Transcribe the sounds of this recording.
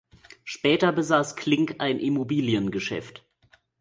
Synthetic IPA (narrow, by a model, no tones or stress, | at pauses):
ʃpɛːtɐbəzaːskʰl̥ɪŋkʔaɪnʔɪmobiːljənɡəʃɛ̰ft